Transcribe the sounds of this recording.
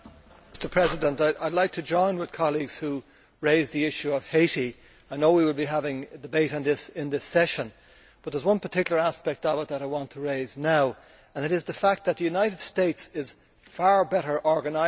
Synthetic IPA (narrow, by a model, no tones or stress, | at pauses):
mstə˞pʰɹ̥ɛzɪdə̃ntaɪʔaɪdˡlaɪk̚tʰɨd͡ʒɔ̃ɪ̃nwɨð̥kʰɑlˠiɡz̥hu | ɹeɪzðiɪʃʉʌv̥heɪɾi | aɪnoʊwiwəlˠbiɦavɪ̃ŋədɨbeɪɾn̩ðɪsɪ̃nðɪsɛʃə̃n | b̥ʌt̪̚ðə˞zwʌ̃npʰə˞tʰɪkjl̩ˠə˞æspɛk̚t̪əvət̪̚ðəɾaɪwɑ̃ntʰəɹeɪznaʊ | ə̃nɨɾɨzðəfæk̚t̪̚ðət̪̚ðɨjʉnaɪɾɨd̥steɪtsɪz̥ | faɹbɛɾə˞ʔɔɹɡənaɪ